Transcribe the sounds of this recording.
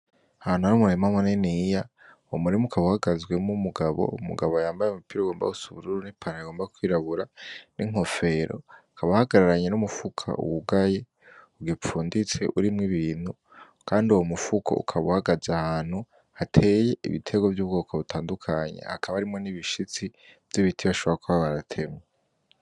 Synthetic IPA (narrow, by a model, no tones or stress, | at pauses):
ahaːnuaɾumuɾemamonenija | omuɾimukʰaβuhaɡazɡwe̞mumuɡaβo̞̰umṵɡaβojaːmbajemupiːɾoɡo̞ːmba̰usuβuɾuɾunipʰanaaɡo̞ːmbakwiːɾaβuɾanʔiŋ̥o̞fe̞ɾo̞̰akʰaβahaɡaɾaɾaɲe̞numufukʰa̰ṵwuɡaje̞ | uɡip͡fuːndit͡se̞̰ʔuɾimŋiβiːn̥hu | kʰaːnduwomufukʰo̞̰ṵkʰaβuhaɡazahaːn̥hu | atʰe̞je̞ʔḭβḭtʰe̞ɡo̞vjuːβɡo̞kʰaβutʰaːndukʰaɲe̞̰ha̰kʰaβaaɾimŋo̞niβiʃit͡si | v̥j̥iβitʰiβaʃo̞βoɾakuβaβaɾatʰe̞mɲe